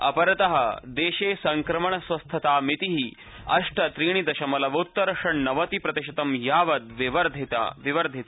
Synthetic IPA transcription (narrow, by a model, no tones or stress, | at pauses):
ɐ̰pɐɾɐt̪ɐɦɐ̰d̪eːʃeːsɐŋkɾɐmɐɳɐsʋɐst̪ʰɐt̪aːmit̪iɦi | ɐʂʈɐt̪ɾiːɽ̃id̪ɐʃɐmɐlɐʋɐut̪ːɐɾʂɐɳnɐʋɐt̪ipɾɐt̪iʃɐt̪ɐmjaːʋɐd̪ʋiʋɐɾd̪ʱit̪a̰ʋiʋɐɾd̪ʱit̪a